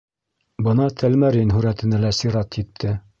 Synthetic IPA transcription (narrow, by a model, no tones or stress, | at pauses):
bɤnɑt̪ʰælmæɾinɦʉɾæt̪ɘ̆nælæsiɾɑt̪jit̪ʰːɘ